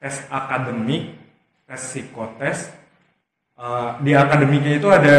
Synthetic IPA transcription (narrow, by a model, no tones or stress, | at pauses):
t̪ɛst̪̚akadəmik̚ | t̪ɛsikot̪ɛst̪ | ədiakadəmikait̪uada